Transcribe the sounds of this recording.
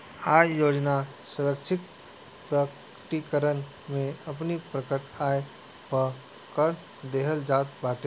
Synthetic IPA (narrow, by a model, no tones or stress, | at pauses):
aːjjoːd͡ʒna | səɾəkt͡ʃʰɪk | pɾək | ʈikəɾən | mẽɐp̬nipɾəkəʈaːe | pə | kəɾ | d̪eːɦəld͡ʒaːt̪̚baːʈe